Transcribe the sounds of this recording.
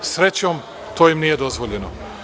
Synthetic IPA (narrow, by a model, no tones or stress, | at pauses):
sɾet͡ɕom | t̪ʰoːjimnije̞d̪o̞zʋoʎeno